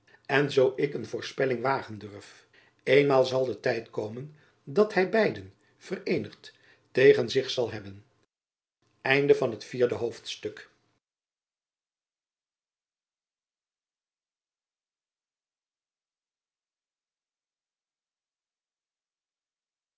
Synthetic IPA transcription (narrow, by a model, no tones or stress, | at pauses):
ɛnzowɪkənvʊːɹspɛlɪŋʋaːχəndørf | ejnmaːlˠzɑlˠdətɛjtkowmən | dɑthɛjbɛjdən | v̥ərejnəχt | tejχənzɪχsɑlˠɦɛbən | ɛjndəvɑnɦətfiːɹdəɦowftstɵk